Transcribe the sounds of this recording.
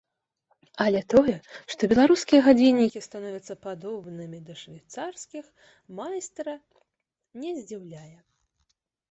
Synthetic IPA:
ɐlʲɛt̪ɔjɛʂt̪ɔbʲɛlˠaɾuskʲijɛɣad͡zʲinʲːikʲist̪anɔvʲɐt̪sːɐpad̪ɔbnɨmʲid̪ɐʂvʲajt̪sarskʲix | majst̪ɾɐ | nʲɛzʲd͡zʲiwlʲajɛ

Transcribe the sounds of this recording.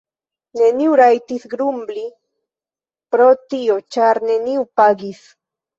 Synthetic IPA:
ne̞niuɾajtisɡɾumbli | pɾotiot͡ʃaɾne̞niwpaɡis

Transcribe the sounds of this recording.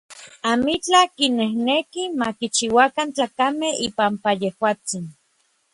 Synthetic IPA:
amit͡ɬakinehnekimakit͡ʃiwakant͡ɬakameipampajehwaːt͡sin

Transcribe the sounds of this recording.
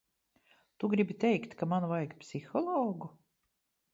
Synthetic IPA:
t̪uɡɾibit̪ejkt̪kamanvajkpsixɔlˠɔːɡu

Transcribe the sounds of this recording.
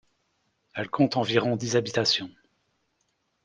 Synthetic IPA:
ɛlkʰɔ̃t̪ɑ̃viʁɔ̃d̪izabit̪asjɔ̃

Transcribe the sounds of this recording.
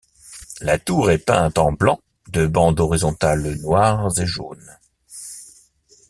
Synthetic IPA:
lat̪uʁɛpɛ̰̃t̪ɑ̃blɑ̃ | d̪əbɑ̃d̪ɔʁizɔ̃t̪alnwaːʁzeʒo̰n

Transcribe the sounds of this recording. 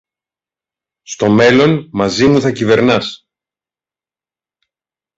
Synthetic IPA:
st̪o̞me̞lo̞nmɐzimuθɐcive̞ɾnɐs

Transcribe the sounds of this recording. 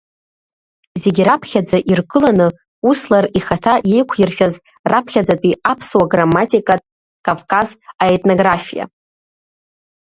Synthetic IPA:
ze̞ɡʲiɾapʰχʲad͡zaʔirkʼɨlanɨ | uslariχatʰaje̞jkʷʰjɪrʃᶣaz | rapʰχʲad͡zatʼiapʰswaɡramːatʼikʼatʼ | kʼavkʼazaetʼnoɡrafija̰

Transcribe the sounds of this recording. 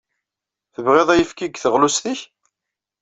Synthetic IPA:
θəvʁeðˤæjəfkiɡθəʁlusθiç

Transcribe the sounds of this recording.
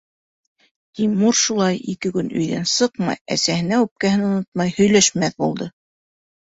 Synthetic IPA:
t̪imuɾʃulˠɑjikɘkɵnɵ̰̆jðæ̰nsɤqmɑ̰jæ̰sæhɘ̆næʉp̚kæhɘnŏnot̪̚mɑjhɵ̆jlæʃmæθbulˠd̪ɤ

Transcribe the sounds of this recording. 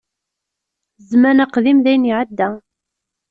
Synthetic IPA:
zmænæqðimðæjniʕad̪ːæ

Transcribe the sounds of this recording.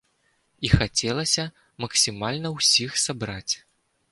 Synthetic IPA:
ixat͡sʲɛlˠɐsʲɐ | mɐksʲimalʲnɐwsʲixsabɾat͡sʲ

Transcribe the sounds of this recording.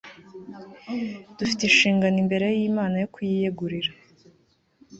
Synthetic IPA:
d̥ufitinʃiːŋɡanimbe̞ɾe̞jiːmaːnajo̞kujijeɡuɾiɾa

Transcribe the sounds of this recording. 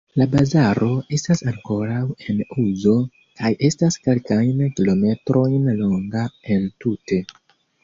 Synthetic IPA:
labazaɾo̞e̞stasaŋko̞ɾawe̞nuzo̞ | kaje̞staske̞lkajnkilo̞me̞tɾo̞jnlo̞ŋɡae̞ntute̞

